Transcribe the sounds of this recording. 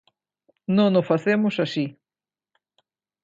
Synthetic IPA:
nõnʊfaθemʊsasi

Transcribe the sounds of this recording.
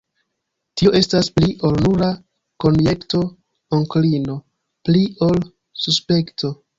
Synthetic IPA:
tioe̞staspliʔo̞lnuɾa | ko̞nje̞kto̞ | oŋklino̞ | plio̞l | suspe̞ktʰo̞

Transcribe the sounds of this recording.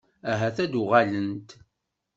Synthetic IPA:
æɦæθæd̪ʊʁalənt̪

